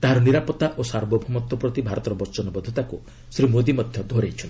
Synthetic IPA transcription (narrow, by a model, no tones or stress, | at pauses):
t̪aɦaɾɔniɾapɔt̪ːaʔosaɾbɔbʱɔmɔt̪ːɔpɾɔt̪ibʱaɾɔt̪ɔɾɔbɔɾt͡ʃɔnɔbɔd̪ʱɔt̪aku | sɾimod̪imɔd̪ʱjɔd̪ʱoɾejt͡ʃʰɔnl